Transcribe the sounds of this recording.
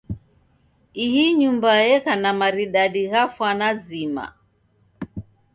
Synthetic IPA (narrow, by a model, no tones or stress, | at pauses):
ihiɲumbajɛkanamaɾiɗaɗiɣafwanazima̰